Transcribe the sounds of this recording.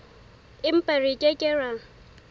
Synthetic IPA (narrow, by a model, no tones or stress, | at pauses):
ɪm̩pʼarɪkʼekʼɪra